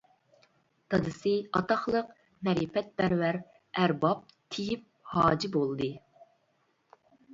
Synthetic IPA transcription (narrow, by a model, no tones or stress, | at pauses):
t̪ʰɑd̪ɨsɨɑt̪ɑχlˠəq | mɛɾipɛt̪̚bæɾwæɾ | æɾbɑp̚t̪ʰijip̚hɑːd͡ʒibolˠd̪ɨ